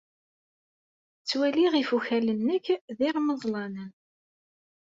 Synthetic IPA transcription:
t͡sːwæliʁifuçælənːəkːðiʁməðˤlɑnən

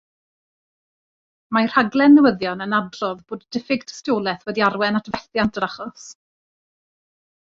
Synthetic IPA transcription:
majr̥haɡlˠɛnːəwəðjɔnənadrɔðboːddɪfɪɡtʰə̥stjoːlˠɛθwɛdiarwɛnatʰvɛθjantəɾaχɔs

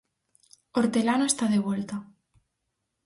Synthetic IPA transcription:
oɾt̪elanoest̪aðeβwelt̪a

